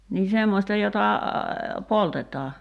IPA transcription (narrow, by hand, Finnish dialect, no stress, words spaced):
niː semːostɑ jotɑ poltetˑɑː